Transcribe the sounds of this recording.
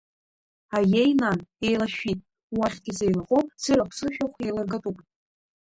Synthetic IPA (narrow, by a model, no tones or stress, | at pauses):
ajejnane̞jlaʃᶣitʼ | waχʲt̚ɡʲɪsejlaqʼopt͡sɨɾapʰsɨʃᶣaχʷejlɨrɡatʼupʼ